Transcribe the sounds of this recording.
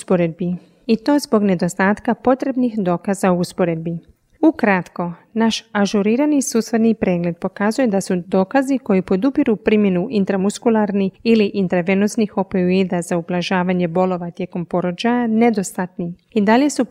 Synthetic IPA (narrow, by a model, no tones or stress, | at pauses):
spo̞ɾe̞d̪̚bi | it̪o̞ːzbo̞ɡne̞d̪o̞st̪aːt̪kapo̞t̪ɾe̞bnixd̪o̞ːkazaouspo̞ɾe̞d̪̚bi | ukɾat̪ko̞naʃaʒuɾiːɾanisusʋed̪nipɾe̞ːɡle̞d̪̚po̞kazuje̞d̪asud̪o̞ːkaziko̞jipo̞d̪upiɾupɾimje̞nuʔint̪ɾamuskulˠaɾniiliʔint̪ɾaʋe̞nosnixo̞peid̪azaublˠaʒaːʋaɲe̞bo̞lo̞ʋat̪je̞ko̞mpo̞ɾo̞d͡ʑajane̞d̪o̞st̪at̪ni | id̪aʎe̞su